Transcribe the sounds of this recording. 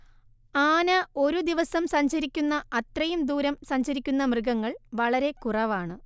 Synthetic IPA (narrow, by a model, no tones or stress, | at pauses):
aːnɐo̞ɾud̪iʋɐsɐmsɐɲɕɐɾikʲːunːɐɐt̪rɐjumd̪uːɾɐmsɐɲt͡ɕɐɾikʲːun̪ːɐmrɨɡɐŋːɐɭʋɐɭɐɾe̞kurɐʋaːɳɨ